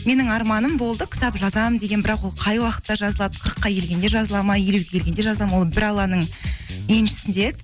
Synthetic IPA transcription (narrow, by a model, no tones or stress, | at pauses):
me̞nɪŋɑɾmɑnəmbo̞lˠd̪əkʲʰɪ̥t̪ɑpʒɑzɑmənd̪e̞ɡʲenbɪɾɑqwo̞lˠqʰɑjwɑqə̥t̪ːɑʒɑzəlˠɑd̪əqʰəɾəqːɑkʰʲe̞lɡʲe̞nd̪e̞ʒɑzəlˠɑmɑjjeluwɡʲekʰʲelɡʲend̪eʒɑzlˠɑmɑwo̞lˠbɪɾɑlˠɑnəɴenʃɪ̥sɪnd̪eed̪